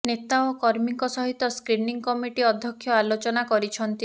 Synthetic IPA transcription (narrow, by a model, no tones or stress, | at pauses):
net̪aɔkɔɾmiŋkɔsɔɦit̪ɔskɾiniŋkɔmiʈiɔd̪ʱjɔkʰːjɔalot͡ʃɔnakɔɾit͡ʃʰɔnt̪i